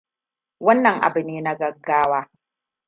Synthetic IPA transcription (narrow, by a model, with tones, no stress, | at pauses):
wɐ˦nːɐ˨ŋʔa̰˨bɨ˨niː˦na˦ɡɐ˨ɡːaː˦waː˦